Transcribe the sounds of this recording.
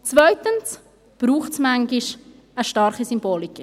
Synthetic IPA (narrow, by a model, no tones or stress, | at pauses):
t͡svœʏtəns | b̥ɾuːχtsmaŋɡɪʃ | əʃtɑɾχisymboːlik